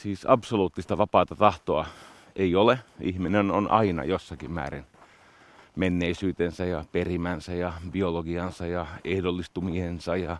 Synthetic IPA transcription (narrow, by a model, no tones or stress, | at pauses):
siːsɑpsoluːt̪ːist̪ɑʋɑpɑːt̪ɑt̪ɑht̪oɑ | ʔeioleihminenonʔɑ̰inɑ̰josːɑkimmæ̰ːrḭn | menːeisyːt̪ensæjɑperimænsæjɑbioloɡiɑnsɑjɑehdolːist̪umiensɑjɑ